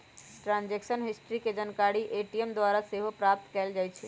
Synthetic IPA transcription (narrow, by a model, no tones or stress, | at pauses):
ʈɾãːnd͡ʒeːkʃənɦɪsʈɾiked͡ʒənkaːɽiʔeːʈiemd̪waːɾaseɦopɾaːp̚t̪kɛːld͡ʒaːet͡ʃʰe